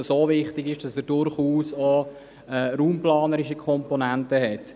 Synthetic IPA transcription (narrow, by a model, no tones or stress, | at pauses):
soːvɪχtɪɡɪʃd̥ɑsɛːɾd̥ʊɾχuːso | ɛɾuːmplɑːnəɾɪʃikʰɔmpɔnɛntəɦɛt